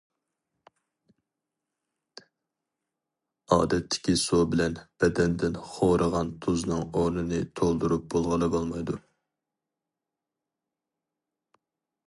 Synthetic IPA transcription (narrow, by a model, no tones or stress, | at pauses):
ɑːd̪ɛt̪ʰːɪ̥kʲisobɪlɛnb̥ɛd̪ɛnd̪ɪnχoɾəʁɑnt̪ʰuznɨŋonɨnɨt̪ʰolˠd̪uɾup̚bolˠʁɑlˠɨbolˠmɑjd̪u